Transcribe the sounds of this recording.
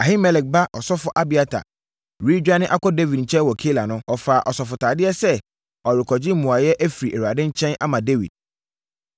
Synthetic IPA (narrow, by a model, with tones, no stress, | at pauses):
a˨ɦi˦mɛ˨lɛ˨k̚ba˦ʔɔ˨sɔ˦fʊ˦ʔa˦bɪ˨a˦tʰa̰˨ | ɾi˦d͡ʑᶣa˦nɪ̃˦ʔa˦kɔ˦de˦vi˨d̚ɲ̩˨t͡ɕʰɛ̃˦wɔ˨kʰe˦la˨nʊ̃˦ɔ˨faː˨ʔɔ˨sɔ˨fʊ˨tʰaː˨dɪ˦ɛ˦sɛ˦ | ɔ˨ɾɪ˨kʰɔ˨d͡ʑɪ˦m̩˦mũ˨a˨jɛ˦ʔæ˦fi˨ɾi˨ɛ˨wa˨dɪ̃˦ɲ̩˦t͡ɕʰɛ̃˦na̰˦mã˨de˦vḭ˨d̚